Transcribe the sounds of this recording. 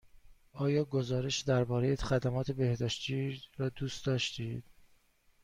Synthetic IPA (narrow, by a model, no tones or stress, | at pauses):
ɒːjɒːɡozɒːɾe̞ʃd̪æɾbɒːɾejexæd̪æmɒːt̪ʰe̞be̞hd̪ɒːʃt̪iɾɒːd̪uːst̪d̪ɒːʃt̪id̪̥